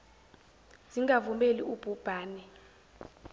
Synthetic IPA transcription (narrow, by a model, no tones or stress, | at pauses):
z̥iŋɡavumeliub̥ʱub̥ʱaːnɛ